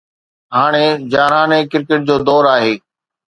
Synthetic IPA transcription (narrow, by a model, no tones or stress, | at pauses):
ɦaːɽ̃ed͡ʑaːɾaːnekɪɾkɪʈ̚d͡ʑoːd̪ɔːɾaːɦeː